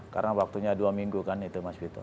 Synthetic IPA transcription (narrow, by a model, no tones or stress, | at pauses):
ka̰ɾnawak̚t̪uɲaduamiŋɡukanːit̪umasbit̪ɔ̰